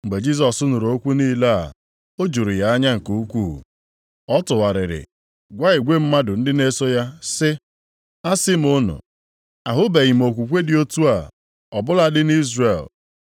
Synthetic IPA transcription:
ŋ͡m̩˨ɡ͡be˨d͡ʒi˦s̬ɔ˨sʊ˦nʊ˨ɾo˦kʷu˦niː˦la˦a˨ | o˦d͡ʒu˨ɾi˨ja˨˦a˦ɲa˦ŋ̩˨ku˨˦u˦kʷu˦˨ | ɔ˦tʊ˨wa˨ɾɪ̰˨ɾɪ̰˨ | ɡʷa˦ɪ˨ɡʷe˦m̩˦ma˦dʊ˨n̩˦dɪ˦ne˦so˦ja˦sɪ˦ | a˦sɪ˦m̩˦ʊ˦nʊ̰˨ | a˨ɦʊ˦be˨ɣɪ˨m̩˨o˨kʷu˨kʷe˦dɪ˦o˦tu˦a˨ | ɔ˨bʊ˦la˦dɪ˦ni˦zre˨l

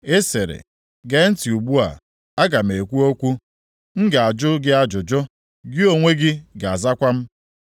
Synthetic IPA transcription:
e˦se˨ɾḛ˨ | ɡe˦n̩˦ti˨u˨ɡ͡bu˦a̰˨ | a˦ɡa˨m̩˨e˨kʷu˦o˦kʷu˦ | ŋ̩˦ɡa˨a˨d͡ʒʊ˦ɡɪ˦a˦d͡ʒʊ˨d͡ʒʊ˦ | ɡɪ˦o˨ŋʷe˦ɡɪ˦ɡa˨a˨za˦kʷa˦m̩˦

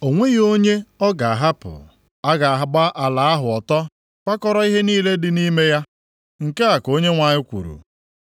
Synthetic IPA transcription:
o˨ŋʷe˦ɣo˦ɲe˦ɔ˦ɡa˨a˨ɦa˦pʊ̰˨ | a˦ɡa˨a˨ɦa˦ɡ͡ba˦ʔa˨la˨a˦ɦʊ˨ɔ˨tɔ˦ | kʷa˦kɔ˦ɾɔ˦i˦ɦe˦niː˦le˦dɪ˨ni˦me˦ja˦ | ŋ̩˨ke˦a˨ko˦ɲe˦ŋʷa˨ɲɪ˦kʷṵ˨ɾṵ˨

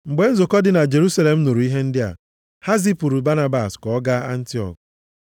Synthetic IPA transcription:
ŋ͡m̩˨ɡ͡be˨˦n̩˦zo˨kɔ˦dɪ˨na˨d͡ʒe˨ɾu˦sa˦le˨m̩˦nu˨ɾu˨˦i˦ɦe˦n̩˦dɪ˦a̰˨ | ha˦zi˦pu˨ɾu˨ba˦na˦ba˨skɔ˨˦ɡa˦a˦n̩˦ti˦ɔ̰˨k

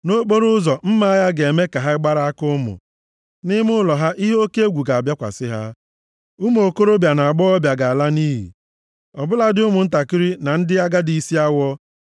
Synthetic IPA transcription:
no˦k͡po˦ɾʊ˦zɔ˨m̩˦ma˦ja˦ɡe˨me˦ka˨ɦa˦ɡ͡ba˦ɾa˦a˦kʊ˦mʊ̰˨ | nɪ˦mʊ˦lɔ˨ɦa˦ʔi˦ɦe˦o˦ke˦e˦ɡʷu˨ɡa˨bja˦kʷa̰˨sɪ˦ɦa˦ | ʊ˦mo˨ko˦ɾo˦bja˨na˨a˨ɡ͡bɔ˦ɔ˦bja˨ɡa˨a˨la˦ni˦ɦḭ˨ | ɔ˨bʊ˦la˦dɪ˦ʊ˦mʊ˨n̩˦ta˨ki˦ɾi˦na˨n̩˦dɪ˦a˦ɡa˦di˨˦si˦a˦wʷɔ˦

